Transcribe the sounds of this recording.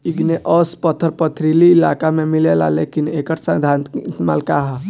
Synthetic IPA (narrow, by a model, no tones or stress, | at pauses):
iɡneʔɔspət̪ʰːəɾpət̪ʰɾiliːlakamẽmilela̰lekinekəʈsə̃d̪ʱãnt̪ːt̪ma̰ːlkaɦa